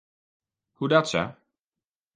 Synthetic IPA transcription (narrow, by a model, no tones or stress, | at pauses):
hudatsə̰